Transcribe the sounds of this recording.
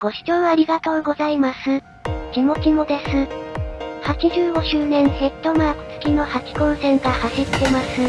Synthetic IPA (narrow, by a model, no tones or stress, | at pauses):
ɡ̥o̞ɕi̥t͡ɕo̞ːaɾʲiɡat̪o̞ːɡo̞zaimasɨ | kʲimo̞kʲimo̞d̪e̞sɨ | hat͡ɕiʑɨːɡo̞ɕɨːnẽ̞ɰ̃he̞t̪ːo̞maːkɯ̟̥t͡sɨ̥kʲino̞hakʲi̥kõ̞ɰ̃sẽ̞ŋkahaɕit̪ːe̞masɨ